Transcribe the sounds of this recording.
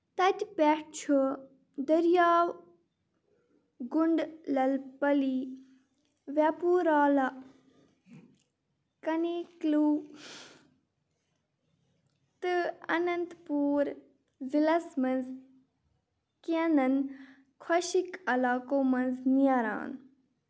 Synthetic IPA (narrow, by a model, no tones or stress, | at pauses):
t̪ɐt̪ʲpʲɛʈt͡ʃʰu | d̪əɾjaːw | ɡuɳɖlɐlpɐli | ʋapuːɾaːlɐ | kɐneːkluː | t̪ɨɐnɐnt̪puːɾ | ʋilɐsmɐnz | kenɐn | kʰwɐʃikɐlaːkoːmɐnznijaɾa̰ːn